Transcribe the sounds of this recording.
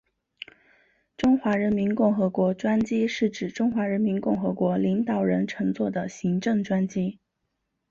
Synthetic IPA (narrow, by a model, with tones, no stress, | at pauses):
ʈ͡ʂʊ˥ŋxwa˧˥ɻə˧˥nmi˧˥nkʊ˥˩ŋxɤ˧˥kwɔ˧˥ʈ͡ʂwa˥nt͡ɕi˥ʂɻ̩˥˩ʈ͡ʂɻ̩˨˩ʈ͡ʂʊ˥ŋxwa˧˥ɻə˧˥nmi˧˥nkʊ˥˩ŋxɤ˧˥kwɔ˧˥li˧˥ŋt̪ɑ˨˩ʊɻə˧˥nʈ͡ʂʰɤ˧˥ŋt͡swɔ˥˩d̪ə˩ɕi˧˥ŋʈ͡ʂɤ˥˩ŋʈ͡ʂwa˥nt͡ɕi˥